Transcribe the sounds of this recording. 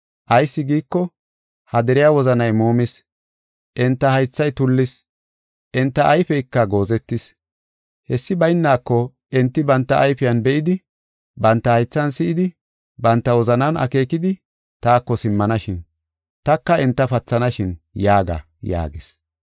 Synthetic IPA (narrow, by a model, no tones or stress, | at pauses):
ʔɐjsːɪɡiːkːɔ | hɐd̪ɛɾɪjawɔzɐnɐjmoːmɪs | ʔɛnt̪ːɐhɐjt͡sːɐjt̪ʊlːɪs | ʔɛnt̪ːɐʔːjfɛjkːɐɡo̞ːzɛt̪ːɪs | hɛsːɪbɐjnːaːkːɔ | ɛnt̪ːɪbɐnt̪ːɐʔːjfɪjɐnbɛʔɪd̪ɪ | bɐnt̪ːɐhɐjt͡sːɐnsɪʔɪd̪ɪ | bɐnt̪ːɐwɔzɐnɐnɐ̰ke̞ːkɪd̪ɪ | t̪aːkːɔsɪmːɐnɐʃɪn | t̪ɐkːɐɛnt̪ːɐfɐt͡sːɐnɐʃɪnjaːɡɐ̰ | ja̰ːɡɪs